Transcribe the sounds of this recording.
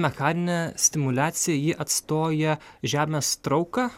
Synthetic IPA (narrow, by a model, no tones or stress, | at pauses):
mʲɛxɑːnʲɪnʲɛsʲt̪ʲɪmʊlʲæːt̪sʲɪjɛjɪʔɐt̪st̪oːjɛʒʲæːmʲeːst̪ɾɒʊkɑ